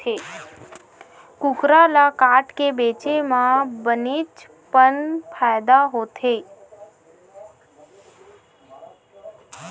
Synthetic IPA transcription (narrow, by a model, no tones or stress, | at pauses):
e | kʊkɾalakaʈkebeːt͡ʃemãbənit͡ʃ | pənpʰajd̪aɦot̪ʰe